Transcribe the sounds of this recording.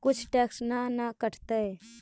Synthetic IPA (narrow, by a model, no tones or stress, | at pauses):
kʊt͡ʃʰʈɛːksnanakəʈʰt̪ɛ